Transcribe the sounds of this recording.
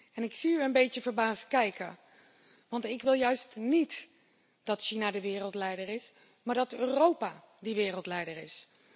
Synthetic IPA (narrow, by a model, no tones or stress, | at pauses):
ɛnɪksiyənbejtəvəɹbaːst̚kɛjkə̰ | ʋɑntɪkʋɪlˠjœɥstnit | d̥ɑtʃinadəʋɪːrəlˠtlɛjdərɪs | maːɹdɑtøːrowpa | dəʋɪːrəlˠtlɛjdəɹɪs